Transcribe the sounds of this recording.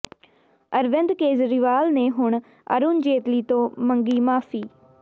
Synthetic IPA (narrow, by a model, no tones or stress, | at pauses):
əɾʋɪ̃nd̪keːzɾɪʋaːlneːɦʊɳ | ə̰ɾuːnd͡ʒeːt̪liːt̪õːməŋɡiːmaːfʰiː